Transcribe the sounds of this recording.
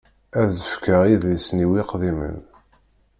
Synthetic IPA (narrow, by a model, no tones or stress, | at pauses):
æðəfkəʁiðsniwiqðimə̰n